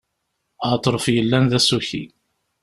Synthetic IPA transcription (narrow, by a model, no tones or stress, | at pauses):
ət̪ˤːɾˤfjəlːænðæsuçḭ